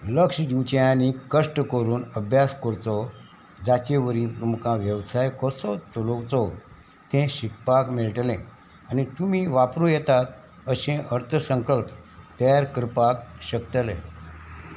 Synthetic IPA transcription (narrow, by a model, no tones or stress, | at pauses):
ləkʂd͡ʑiwt͡ɕeanikəʂʈəkəɾuːnəbʱjaskəɾt͡sɔ | d͡zat͡ɕeʋəɾĩpɾəmukãʋjəʋsajkɔsɔt̪ulowt͡sɔ | t̪ẽɕik̚pakmiɭʈlẽ | anit̪umiːʋapɾũjɛt̪at̪̚ | əɕẽʔəɾt̪ʰəsə̃ŋkəlp̚t̪əjaɾkəɾpak̚ɕəkt̪lḛ̃